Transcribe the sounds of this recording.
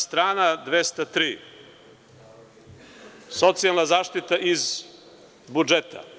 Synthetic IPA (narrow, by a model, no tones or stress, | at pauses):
st̪ɾaːnad̪ʋest̪at̪ɾiː | so̞t̪sialˠnazaːʃt̪it̪aʔiz | bud͡ʒet̪a̰